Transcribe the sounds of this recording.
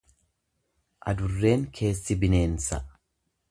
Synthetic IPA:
ʔɐ̰d̪ʊrːe̞ːŋkʰe̞ːsːɪbɪne̞ːnsɐ

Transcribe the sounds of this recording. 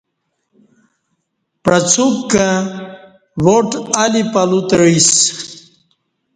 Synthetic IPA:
pɾɐt͡supkã | ʋoʈalipɐlut̪ɻis

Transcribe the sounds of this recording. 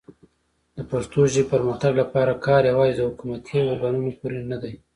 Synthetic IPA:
d̪əpast̪oʒipəɾmaxt̪aɡlapɑɾakɑɾjawɑzid̪əhʊkumat̪ʰiwoɾɡɑnunepuɾenad̪aj

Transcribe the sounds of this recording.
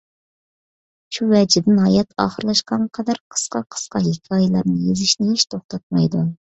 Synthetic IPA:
ʃuvɛd͡ʒɪbnɦɑjɛt̪ʰɑ̰ːχəɾlˠɑʃqɑnqʰɑd̪ɑɾqʰə̥sqɑqʰə̥sqɑɦekʲʰɑːjɛlˠɑɾnɨjezɪʃnɪheʃt̪ʰoχt̪ʰɑt̪̚mɑjd̪u

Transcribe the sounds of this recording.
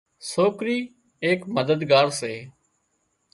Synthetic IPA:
soːkɾiː | eːkməd̪əd̪ɡaːɾseː

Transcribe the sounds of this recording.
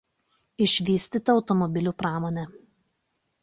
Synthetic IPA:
ɪʃʲʋʲiːsʲt̪ʲiːˑt̪ɐɒʊt̪ɔmɔbʲɪlʲuˑpɾɑːmoːnʲɛ

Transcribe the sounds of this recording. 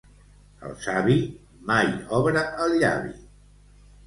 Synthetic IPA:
ə̰lˠsaβi | majɔβɾəəlʎa̰βḭ

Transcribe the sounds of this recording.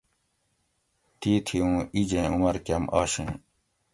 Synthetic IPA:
t̪iːt̪ʰiũːid͡ʑẽːumɐɾkɐmaːɕẽː

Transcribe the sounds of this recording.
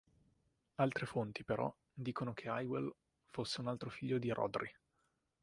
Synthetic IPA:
alt̪ɾefont̪ipeɾɔ̰ | d̪iːkonok̟ʰeajwel | fosːeunalt̪ɾofiʎːod̪iɾʔɔ̰d̪ɾi

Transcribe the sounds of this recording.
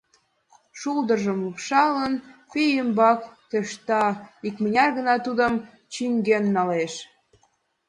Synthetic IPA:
ʃuld̪ərʒəmlukʃɑlənpijəmbɑkt̪øʃt̪ɑikmə̆nʲɑrɣə̆nɑt̪ud̪əm | t͡ɕyŋɡenːɑleʃ

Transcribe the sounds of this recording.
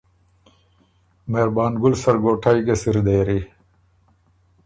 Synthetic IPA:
meɾbaːnɡulsɐɾɡoːʈʰajɡesiɾd̪eːɾi

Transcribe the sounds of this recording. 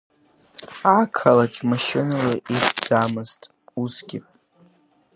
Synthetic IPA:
akʰalat͡ʃʼmaʃɪnalaʔiχd͡zamɨztʼ | uzɡʲɪ

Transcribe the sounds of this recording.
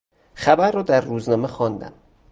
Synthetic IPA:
xæbæɾːɒːd̪æɾːuːznɒːmexɒːnd̪æ̰m

